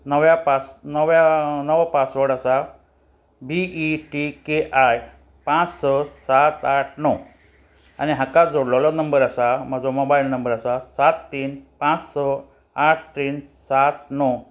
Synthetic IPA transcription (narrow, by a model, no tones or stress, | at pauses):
nəʋjapat͡snəʋjanəʋpat͡sʋəɽasa | biiʈikeʔaj | pãt͡ssɔsat̪aʈʰnɔ | aniɦakad͡zoɽlɔlɔnəmbəɾasam̤əd͡zomobailnəmbəɾasasat̪ːiːnpãt͡ssɔ | aʈʰt̪iːnsat̪nɔ